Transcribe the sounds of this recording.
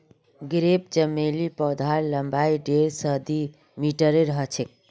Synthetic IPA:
ɡɾep̚d͡ʒəmːelipɔd̪ʱaɾləmbaiɖeɾsəd̪i | miʈəɾeɾəɦət͡ʃʰek̚

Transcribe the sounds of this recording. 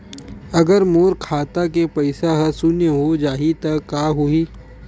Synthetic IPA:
ɐɡəɾmoːɾkʰaːt̪akepɐɪsaɦəsʊnjəɦod͡ʒaːɦit̪ɐkaːɦʊiː

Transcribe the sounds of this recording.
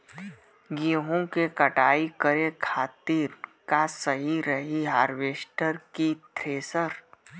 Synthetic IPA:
ɡiɦõkekəʈaːikəɾekʰaːt̪iːɾkasəɦiɾəɦiɦaːɾʋeːʃʈəɾkit̪ɾeːsəɾ

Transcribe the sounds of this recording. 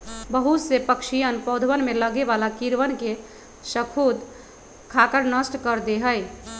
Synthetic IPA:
bəɦut̪sepəkʃijənpɔd̪ʱʋənmeləɡeʋalakiɾʋənke | səkʰud̪ | kʰakəɾnəsʈkəɾd̪eɦəj

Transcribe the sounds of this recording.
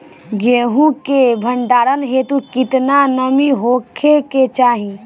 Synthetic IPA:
ɡeːɦũkebʱəɳɖaːɾənɦet̪ukit̪nanəmiɦokʰeket͡ʃaɦĩ

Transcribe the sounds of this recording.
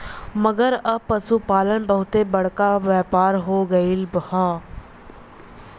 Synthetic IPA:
məɡəɾəpːəsupaːlənbəɦʊt̪eːbəɽkaːʋjaːpaːɾɦoːɡəilbhaː

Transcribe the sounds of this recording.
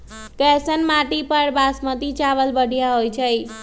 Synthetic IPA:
kɛsənmaʈipəɾbasmət̪it͡ʃaʋəlbəɽʱijaɦojt͡ʃʰəj

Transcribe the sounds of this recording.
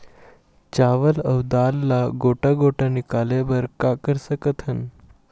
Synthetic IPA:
t͡ɕaʋələwd̪alːaɡoʈaɡoʈanikalebəɾkakəɾsəkət̪ʰən

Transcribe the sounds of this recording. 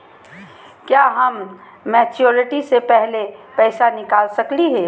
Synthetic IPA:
kjaːɦɐmː | ɛːt͡ʃjoːɾɪʈisepɛɦlepɛːsanɪkaːlsɐkliɦɛː

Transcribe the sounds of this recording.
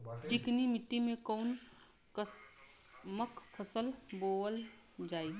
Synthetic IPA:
ʈɪknimɪʈ̪ːimẽkoːn | kə | məkpʰəsəlboəl | d͡ʒaːi

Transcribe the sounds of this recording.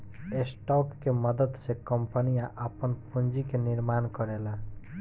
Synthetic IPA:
esʈɔkːemʌd̪əd̪sekʌmpənijaʔapʌnpund͡ʒikeniɾmankʌɾela

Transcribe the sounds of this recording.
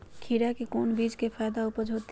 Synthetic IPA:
kʰiɾakekoːnbiːd͡ʒkefʰaːd̪aʊpəd͡ʒʱoːt̪

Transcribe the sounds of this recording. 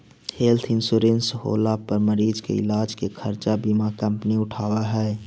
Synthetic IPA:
heːlt̪ʰɪ̃nsuɾẽːnsɦo̰ːlapəɾməɾiːd͡ʒkḛɪ̰laːd͡ʒkekʰəɾt͡ʃabimakə̃mpniʊʈʰaːwaɦɛː

